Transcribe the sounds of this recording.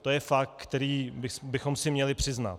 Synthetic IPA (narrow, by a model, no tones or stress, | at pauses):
t̪o̞jɛfak̚t̪̚kt̪ɛɾiːbɪsbɪxo̞msɪmɲɛlɪpr̝̥ɪzna̰t̪